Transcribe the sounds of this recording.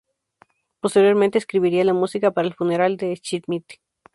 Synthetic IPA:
post̪eɾjo̞ɾmẽnt̪eskɾiβiɾialamusikapaɾaelfuneɾald̪et͡ʃit̪mit̪i̥

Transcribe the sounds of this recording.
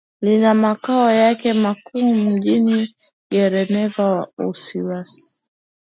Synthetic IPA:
linamakaɔjakɛmakuːm̩ʄini | ɡɛɾɛnɛvawausiwasi̥

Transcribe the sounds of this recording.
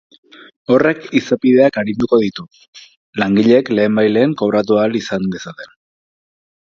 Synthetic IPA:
o̞re̞kisapiðe̞akaɾind̪uko̞ðit̪u | laŋɡiʎe̞kle̞ːmbajle̞ːŋko̞βɾat̪̬ualisand̪e̞sat̪e̞n

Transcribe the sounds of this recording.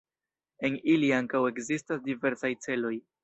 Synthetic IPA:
e̞niliaŋkawe̞kzistasdive̞ɾsajt͡se̞lo̞j

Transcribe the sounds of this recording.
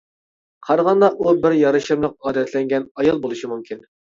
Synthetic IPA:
qʰɑɾʁɑnd̪ɑʔubɪɾjɑɾɨʃɨmlˠəq̚ɑːd̪ɛt̪ʰlɛŋɡʲɛnɑjɑlˠbolˠɨʃimumkʲʰin

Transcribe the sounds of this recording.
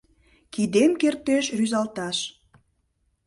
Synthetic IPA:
kid̪emkert̪eʃryzɑlt̪ɑʃ

